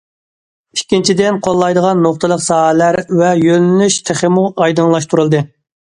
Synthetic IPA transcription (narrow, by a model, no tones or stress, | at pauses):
ikʲːint͡ʃʰid̪ɪnqʰolˠːɑjd̪əʁɑnːoχt̪ʰəlˠəqsɑːɦɛlæɾvɛjønlyʃt̪ʰɪχɪmuʔɑjd̪ɨŋlˠɑʃt̪ʰuɾɨlˠd̪ɨ